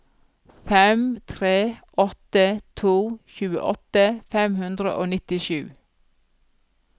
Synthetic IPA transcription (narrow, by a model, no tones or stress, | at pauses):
fɛmt̪ʰɾeːʔɔt̪ət̪ʰuːçʉːə̰ʔɔt̪əfɛmhʉnd̪ɾə̰ʔo̰ːnɪt̪ɪʃʉ̰ː